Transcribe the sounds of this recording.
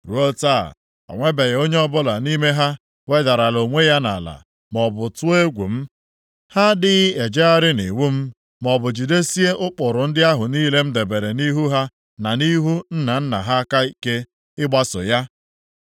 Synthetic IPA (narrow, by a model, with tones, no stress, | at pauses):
ɾu˦o˦ta̰˦˨ | ɔ̰˨ŋʷe˦be˨ɣo˦ɲe˦ɔ˦bʊ˦la˨ni˦me˦ɦa˦ | we˦da˨ɾa˨lo˨ŋʷe˦ja˦na̰˨la̰˨ | mɔ˨bʊ˨tʊ˦e˦ɡʷu˨m̩˦ | ha˦dɪ˦ɣe˨d͡ʒe˦a˦ɾɪ˦ni˨wu˦m̩˦ | mɔ˨bʊ˨d͡ʒi˨de˦si˦e˦ʔʊ˦k͡pʊ˨ɾʊ˨n̩˦dɪ˦a˦ɦʊ˨niː˦le˦m̩˦de˨be˨ɾe˨ni˦ɦu˦ɦa˦ | na˨ni˦ɦu˦n̩˦na˨n̩˦na̰˨ɦa˦ka˦i˨ke˦ | ɪ˦ɡ͡ba˦sʊ̰˨ja˦